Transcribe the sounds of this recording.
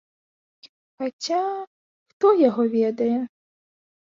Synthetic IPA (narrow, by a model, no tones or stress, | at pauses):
xat͡ɕʲa | xt̪ɔjɔɦɔʋʲɛd̪ɐjɛ